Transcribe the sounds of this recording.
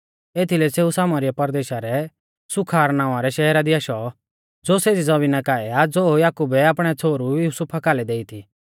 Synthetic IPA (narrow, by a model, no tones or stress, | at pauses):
eːt̪ʰilɛseːusaːmaɾɪjapɐɾd̪eːʃaɾɛ | sʊkʰaːɾnãːaɾɛʃɛɦɛɾad̪iaʃɔ | d͡zoːseːd͡zid͡zɐbinakaːɛad͡zojaːkubɛaːpɽ̃ɛt͡sʰoːɾujuːsupʰakaːlɛd̪eːit̪ʰi